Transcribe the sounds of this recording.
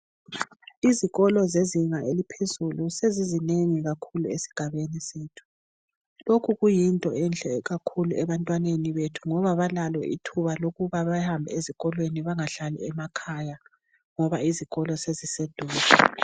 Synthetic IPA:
iziɣɔlɔzeziŋaʔelipʰezulusezizineŋiɣakʰuluesi̥ɡ̥ʱaβeniseːtʰu̥ | lokʰuɣujintʼɔɛnt͡ɬʼɛɣakʰuluɛβantʼwaneniβetʰu̥ŋɔβaβalalwɛ̰ʔḭtʰuβaloɣuβaβahambʱɛ̰eziɣɔlweniβaŋaɬalḭɛmakʰaja | ŋɔβaiziɣɔlɔsezised̥ʱuːza

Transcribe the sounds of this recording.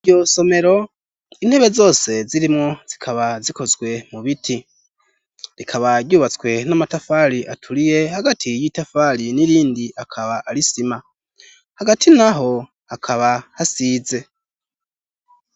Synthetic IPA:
iɟoso̞me̞ɾo̞ | in̥he̞βe̞zo̞ːse̞ziɾimŋo̞z̥ikʰaβaziko̞zɡwe̞muβitʰi | ɾikʰaβaɟɟuːβat͡swe̞namatafaɾiʔatʰuɾije̞haɡatʰijitafaɾiniɾiːndiʔakʰaβaʔaɾisima | haɡatʰinaɦo̞ | hakʰaβahasize̞

